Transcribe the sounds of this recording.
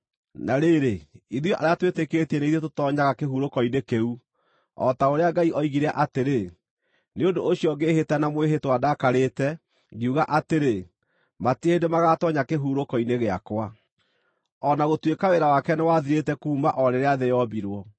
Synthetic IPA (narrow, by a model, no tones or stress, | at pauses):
naɾeːɾeiðjɔʔa̰ɾeatwetekeːtɛneiðetotɔɲaɣakeɦuːɾokɔinekeu | ɔ̰taoɾeaɡaiʔɔiɣiɾeaʔateɾe | neondoʔoɕiɔɡeːhetɛnamweɦetwadakaɾetɛ | ɣiuɣaʔateɾe | matihendemaɣatɔɲakeɦuɾokɔineɣea̰kwa | ɔnaɣotwekaweɾawakɛnewaðiɾetɛkuːmaʔɔɾeɾeaðɛjɔbiɾwɔ